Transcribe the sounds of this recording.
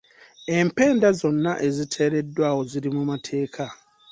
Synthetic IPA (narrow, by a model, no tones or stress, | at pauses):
e̞mpe̞ːndazo̞nːaʔe̞zitʰe̞ːɾe̞dːwaːwo̞ziɾimumatʰe̞ːkʰa